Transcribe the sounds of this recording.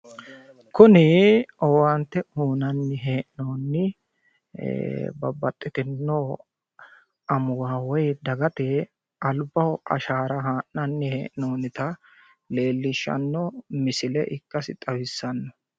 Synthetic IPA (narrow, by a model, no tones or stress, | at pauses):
kʊnɪɔwɐnt̪ːɛhuːnɐnːɪɦeːʔɪnoːnːɪ | bɐ̰bɐt̪ʼːɪt̪ɪnːoː | ɐmʊwaːwɔjd̪ɐɡɐt̪ɛ | ʔɐlbɐwɐ̰ʃaːɾɐɦaːʔnɐnːɪhḛːʔɪnoːnɪt̪ɐ | le̞ːlːɪʃːɐ̰nːɔmɪsɪlɛ̰ʔɪkːɐsɪt̪ʼɐbɪsːɐnːɔ